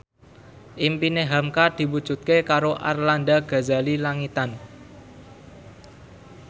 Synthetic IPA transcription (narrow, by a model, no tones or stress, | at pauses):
ʔimpineɦamkad̪̥i̤wud̥ʒ̥ṳt̪̚kekaɾoʔa̰rland̪aɡ̥a̤zalilaŋit̪an